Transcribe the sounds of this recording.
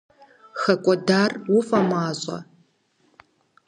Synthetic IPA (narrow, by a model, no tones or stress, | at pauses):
xɐkʷʼɔdaːrwʊfʼɐmaːɕʼɐ̰